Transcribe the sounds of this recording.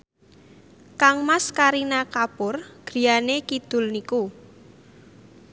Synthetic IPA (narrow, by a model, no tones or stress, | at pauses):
kaŋmaskaɾinakapʊrɡ̥ɾi̤anekid̪̥ʊ̤lniku